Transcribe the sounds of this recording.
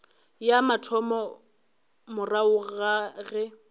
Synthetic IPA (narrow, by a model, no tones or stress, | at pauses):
jamatʰɔmɔ | mʊraʊɣaɣɛ